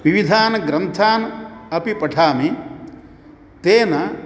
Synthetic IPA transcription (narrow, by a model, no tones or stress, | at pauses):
ʋiʋid̪ʱaːnɐɡɾɐnt̪ʰaːnɐɐpipɐʈʰaːmi | t̪eːnɐ